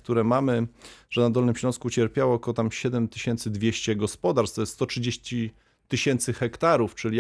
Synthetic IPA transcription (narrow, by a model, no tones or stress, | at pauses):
k̚t̪uɾɛmamɘʐ̥ɛnad̪ɔlnɘmɕlɔ̃skut͡ɕɛɾpʲjawɔːkɔwɔt̪amɕɛd̪ɛmt̪ɘɕɛnt̪sɘd̪vʲjeɕt͡ɕɛɡɔspɔd̪aɾst̪ɔjɛst̪ɔtʂɘd͡ʑeɕt͡ɕi | t̪ɘɕɛnt̪sɘxɛkt̪aɾuft͡ʂɘlʲi